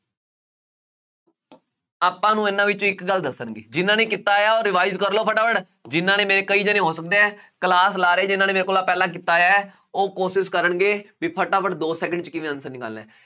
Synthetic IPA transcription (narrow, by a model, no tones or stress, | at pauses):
aːpːãːnũːɪnãːʋɪt͡ʃõːɪkɡəld̪əsːənɡḛːd͡ʒɪnːãːneːkɪt̪ːaːjaːoːɾːɪʋaːɪzkəɾloːpʰəʈaːpʰəʈ | d͡ʒɪnːãːnẽːmeːeːkəiːd͡ʒənẽːɦoːsək̚d̪eːɛːkəlaːslaːɾeɛːd͡ʒɪnːaːneːmeːɾekoːlaːpɛːlãːk̬ɪt̪aːjaːɛː | oːkoːʃɪskəɾəɳɡeːbiːpʰəʈaːpəʈd̪oːsɛːkəɳɖt͡ʃkɪʋĩːənsəniːɡə̰lːɛ̰ː